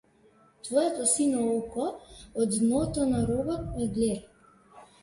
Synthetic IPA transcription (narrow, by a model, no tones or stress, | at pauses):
t̪vɔjɛt̪ɔsinɔɔkɔːd̪nɔt̪ɔnaɾɔbɔt̪ɛɡleɾ